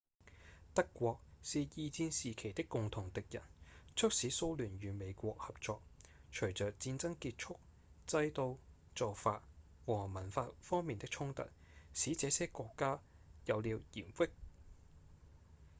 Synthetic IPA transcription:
t̪ɐ˥kːʷwɔː˧k̚siː˨jiː˧t͡siː˧nsiː˨kʰe˨˩jt̪ɪ˥kːʊ˨ŋt̪ʰʊ˨˩ŋt̪ɪ˨k̚jɐ̰˨˩nt͡sʰɵ˥k̚siː˨˥so˧wlyː˨˩njyː˨me˨˧jkʷɔː˧k̚hɐ˨p̚t͡sɔː˧k̚t͡ʃʰɵ˨˩ɥt͡sœː˨k̚t͡siː˧nt͡sɐ˥ŋkiː˧t̚t͡ʃʰʊ˥k̚ | t͡sɐ˧jt̪o˧w | t͡sɔː˨wfaː˧t̚ | wɔː˨˩mɐ˨˩nfaː˧t̚fɔː˥ŋmiː˨nt̪ɪ˥k̚t͡ʃʰʊ˥ŋt̪ɐ̰˨t̚ | siː˨˥t͡sɛː˨˥sɛː˥kʷɔː˧kːaː˥ | jɐ˨˧wliː˨˧wjiː˨˩mfɪ˥k̚

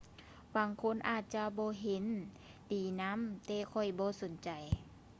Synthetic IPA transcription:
baː˨˦ŋkʰo˧˥˨nʔaː˧˨˩t̪̚t͡ɕa˧bɔː˧˦ɦe˨˦n | t̪iː˨˩na˧˥˨mt̪ɛː˧kʰɔ˧˩jbɔː˧˦so˨˦nt͡ɕa˨˩j

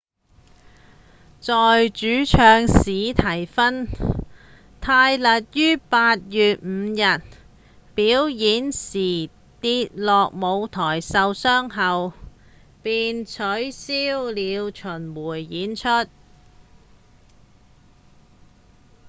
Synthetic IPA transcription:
t͡sɔː˨jt͡ʃyː˨˥t͡ʃʰœː˧ŋsiː˨˥t̪ʰɐ˨˩jfɐ˥n | t̪ʰaː˧jlɐ˨t̚jyː˥paː˧t̚jyː˨t̚m̩ː˨˧jɐ˨t̚ | piː˨˥wjiː˨˥nsiː˨˩ | t̪iː˧t̚lɔː˨k̚mo˨˧wt̪ʰɔː˨˩jsɐ˨˧wsœː˥ŋɦɐ˨w | piː˨nt͡sʰɵ˨˥ɥsiː˥wliː˨˧wt͡ʃʰɵ˨˩nwuː˨˩jːiː˨˥nt͡ʃʰɵ˥t̚

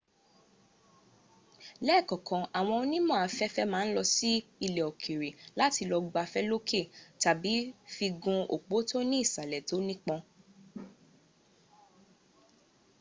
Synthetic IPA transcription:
lɛ˦˨kɔ̃˨kɔ̃˨ʔa˨w̃ɔ̃˧o˧nĩ˦mɔ̃˦˨a˨˧fɛ˦fɛ˦mãː˦lɔ˧si˦i˧lɛ˨ɔ˨kʰi˨ɾe˨la˦ti˧lɔ˧ɡ͡ba˧fɛ˦lo˦kʰe˦˨ta˨bi˨˦fi˧ɡũ˧o˨k͡po˨˦to˦nĩ˦i˦˨sa˨lɛ˨to˨˦nĩ˦k͡pɔ̃˧

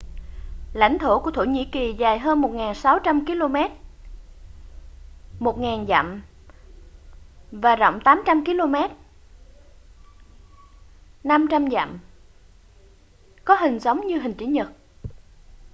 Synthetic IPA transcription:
la̰˧˩jŋ̟t̪ʰo˧˩ku˧˩ət̪ʰo˧˩ɲḭ˧˥ki˨˩zaː˨˩jɦəː˧nmo˨˩t̚ŋaː˨˩nsa˨˦wt͡ɕa˧mki˧lo˧mɛ˦˥t̚ | mo˨˩t̚ŋaː˨˩nza̰˧˨m | vaː˨˩zɔ̰˧˨wŋ͡mt̪aː˨˦mt͡ɕa˧mki˧lo˧mɛ˦˥t̚ | na˧mt͡ɕa˧mza̰˧˨m | kɔ˨˦ɦï˨˩ŋ̟sə˨˦wŋ͡mɲɨ˧ɦï˨˩ŋ̟t͡ɕi˧˨˦ɲə˨˩t̚

